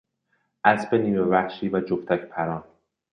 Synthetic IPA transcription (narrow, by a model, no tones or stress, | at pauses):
ʔæsbeniːbevæxʃiːvæd͡ʒoft̪ʰæcpʰæɾɒːn